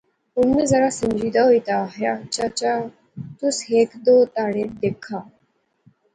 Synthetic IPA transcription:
unmed͡zəɾasəmd͡ʑid̪ʱaɦojt̪aːɦjat͡ɕat͡ɕa | t̪usɦekd̪ot̪aɽed̪ekʰa

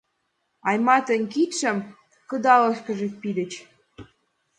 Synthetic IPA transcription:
ɑjmɑt̪ə̆nʲkit̪ʃə̆m | kə̆d̪ɑlɤ̆ʃkə̆ʒek̚pid̪ə̆t͡ɕ

